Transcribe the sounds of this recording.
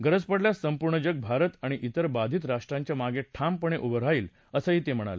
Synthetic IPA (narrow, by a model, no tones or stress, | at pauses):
ɡəɾəd͡zpəɽljasəmpuɾɳəd͡ʑəɡ̚bʱaɾət̪aɽ̃iʔit̪əɾbad̪ʱiːt̪ɾaʂʈɾãɲt͡ɕjamaɡeʈʰampəɳ̃eʔubəɾaiːl | əsəɦiːt̪em̤əɽ̃a̰le